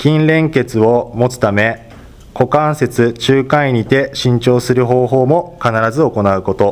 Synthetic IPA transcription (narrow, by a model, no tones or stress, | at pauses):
kʲĩnɾẽ̞ŋke̞t͡sɨo̞mo̞t͡sɨ̥t̪ame̞ | ko̞kãɰ̃se̞t͡sɨt͡ɕɨːkãiɲ̟it̪e̞ɕĩɲ̟t͡ɕo̞ːsɨɾɯ̟ɦo̞ːɦo̞ːmo̞kanaɾazɨo̞ko̞naɯ̟ko̞t̪o̞